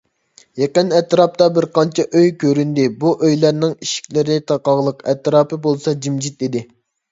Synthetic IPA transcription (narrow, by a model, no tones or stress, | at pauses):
jeqənɛt̪ɾɑp̚t̪ɑbɪɾqʰɑnt͡ʃʰɛʔøjkʲʰøɾynd̪ɪbuʔøjlæɾnɪŋiʃi̥kʲlɪɾɪt̪ʰɑqɑʁlˠəqɛ̰t̪ɾɑːpɨbolˠsɑd͡ʒimd͡ʒit̪id̪ɪ